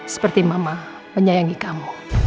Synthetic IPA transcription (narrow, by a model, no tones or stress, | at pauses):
sə̥pərt̪imama | məɲajaŋikamu